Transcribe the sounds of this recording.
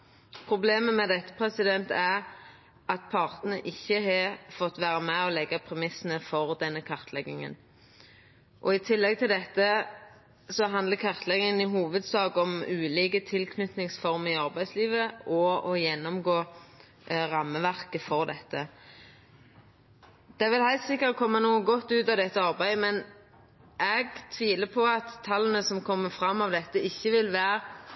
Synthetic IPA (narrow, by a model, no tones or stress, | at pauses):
pʰʁʊbleːməmɛd̪ɛt̪ːə̥pʰʁɛsɪd̪ɛnt̪æʁ | ʔɑt̪̚pʰɑʁt̪n̩əʔɪçːəɦɑfɔt̪ːʋæːʁəmæɔlɛɡːɑpʰʁɛmɪsən̩əfɔʁd̪ɛnːəkʰɑʁt̪ʰlɛɡɪŋə̰n | ʔɔɪt̪ʰɪlːɛɡ̚t̪ʰɪld̪ɛt̪ːə | sɔɦɑnd̪ləkʰɑʁt̪ʰlɛɡɪŋənɪɦuːʋəd̪sɑːɡɔmʉːliːkət̪ʰɪlkʰnʏt̪nɪŋsfɔʁmɪɑʁbæɪd̪sliːʋəʔɔɔjɛnːɔmɡoː | ʁɑmːəʋæʁkəfɔʁd̪ɛt̪ːə | d̪̥ɛæʁʋɪlhæɪt̪sɪkːəɾkʰɔmːənuːəɡɔt̪ːʉːt̪ɑd̪ɛt̪ːəɑʁbæɪmɛn | ʔɛɡt̪ʰʋiːləpʰɔɑt̪ʰːɑlːənəsɔmkʰɔmːəfɾɑmːɑʋd̪ɛt̪ːəɪçːəʋɪlʋæːɾ